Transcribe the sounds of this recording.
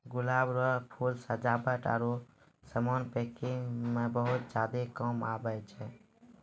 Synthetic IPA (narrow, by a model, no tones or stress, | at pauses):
ɡulabɾɔpʰulsəd͡ʒabəʈa̰ɾo | səmonpekiŋɡmebəɦut̪̚d͡ʒad̪ekɔmabət͡ʃʰɛ